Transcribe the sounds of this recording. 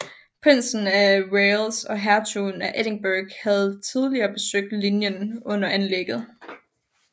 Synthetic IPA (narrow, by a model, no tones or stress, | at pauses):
pʰʁen̰sn̩æʁelsɒ̽ɦæɐt͡sʰunæʔeɾ̥e̝ŋb̥æːɡ̥hæð̞̩ˠt͡sʰið̞ˠliɐːb̥e̝søɡ̥̚d̥linjənɔ̽n̰ɐʔænleɡ̥ð̞̩ˠ